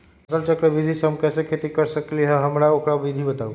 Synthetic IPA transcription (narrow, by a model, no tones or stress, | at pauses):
səlt͡ʃəkɾəbid̪ʱisɦəmkɛsẽkʰet̪ikəɾsəkliɦəɦəmɾaokɾabid̪ʱibət̪au